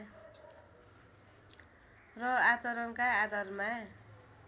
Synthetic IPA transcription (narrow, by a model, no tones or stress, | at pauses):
rʌat͡sʌɾʌnkaːd̪ʌrma